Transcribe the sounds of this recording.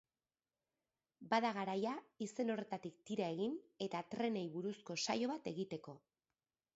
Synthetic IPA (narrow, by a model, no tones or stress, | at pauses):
baðaɣaɾajaise̞no̞re̞t̪at̪ik̚t̪iɾae̞ɣine̞t̪at̪ɾe̞ne̞jβuɾusko̞sajo̞βat̪e̞ɣit̪e̞ko̞